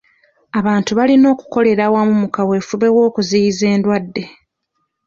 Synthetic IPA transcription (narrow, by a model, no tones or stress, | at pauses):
aβaːntuβalino̞ːku̥ko̞le̞ɾawamumukawe̞ːfuβe̞wo̞ːkuzijize̞ːndwadːe̞